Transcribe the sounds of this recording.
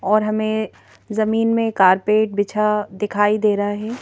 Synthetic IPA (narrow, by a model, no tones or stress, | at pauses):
ɔːɾɦɐmẽ | zɐmiːnmẽkaːɾpeːʈ̚bɪt͡ʃʰad̪ɪkʰaːid̪eːɾɐɦaɦɛː